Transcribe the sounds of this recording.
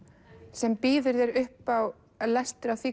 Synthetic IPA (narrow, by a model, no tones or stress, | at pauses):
sɛmpiːðʏɾðɛɾʏhpaw | last̪ʏɾawθiː